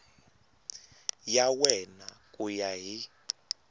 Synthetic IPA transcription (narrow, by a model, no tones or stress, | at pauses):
jawɛnakʼujaɦi